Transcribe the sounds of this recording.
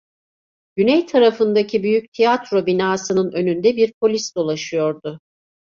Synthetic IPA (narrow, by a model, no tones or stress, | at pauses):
ɟ̥ynɛjt̪ʰaɾafɯnd̪acʰibyjyc̚t̪ʰijat̪ɾo̞binaːsɯnɯnø̞nynd̪ɛbiɾpʰo̞lʲisd̪o̞lˠaʃɯjo̞ɾd̪ʊ